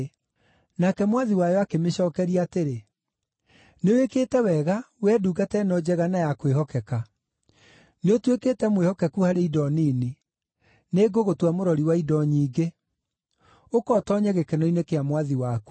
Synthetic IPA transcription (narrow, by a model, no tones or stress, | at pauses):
nakɛmwaðiwajɔakemeɕɔːkɛɾiateɾe | newekeːtɛwɛɣa | wɛduɡatɛnɔd͡ʑɛɣanajakweɦɔkɛka | neotweketɛmwehɔkɛkuhaɾeidɔnini | neɡoɣotwamoɾɔɾiwaidɔɲiːɡe | okɔtɔɲɛɣekɛnɔinekeamwaðiwaku̥